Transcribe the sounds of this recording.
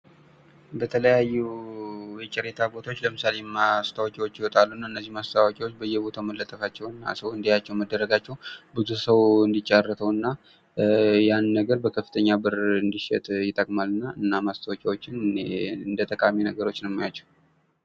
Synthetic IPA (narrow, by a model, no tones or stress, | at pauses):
bət̪ʰələjajːu | jɛt͡ʃʼɪɾet̪ʰabo̞t̪ʰaot͡ʃːləmɨsale̞mːast̪ʰawakʼiwo̞t͡ʃːjɪwɔt̪ʼalːunːaɨnːəzːihmast̪ʰawakʼiwot͡ʃːbəjːɛbo̞t̪ʰaməlːət̪ʼəfat͡ʃːɛwɨnːa̰səwɨnd̪ijat͡ʃːɛwməd̪ːəɾːəɡat͡ʃːɛwbɨzusəwɨnd̪it͡ʃʼːarːət̪ʰəwɨnːa | janːəɡəɾbəkʰəfːɨt̪ʰəɲːabɨɾɨnd̪iʃɛ̰t̪ʼjɪt̪ʼːəkʼmalːɨnːaɨnːamast̪ʰawokʼiwot͡ʃːɪnɨnd̪ət̪ʼəkʼaminəɡəɾo̞t͡ʃːnəwjmːajat͡ʃːɛw